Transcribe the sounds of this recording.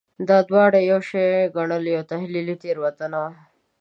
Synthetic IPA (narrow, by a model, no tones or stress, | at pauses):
d̪ɑd̪wɑːɽejowʃeɡɐɳəljot̪ɐɦlilit̪eɾwɐt̪əna